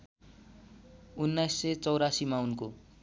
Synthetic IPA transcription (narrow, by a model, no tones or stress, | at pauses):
unːajsːet͡sʌwɾasimaunko